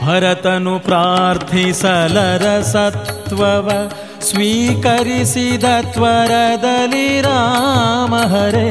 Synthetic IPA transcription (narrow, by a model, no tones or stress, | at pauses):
bʱɐɾɐt̪ɐnupɾaːɾt̪ʰisɐlɐɾɐsɐt̪ʋɐʋɐ | sʋiːkɐɾisid̪ɐt̪ʋɐɾɐd̪ɐliɾaːmɐɦɐɾe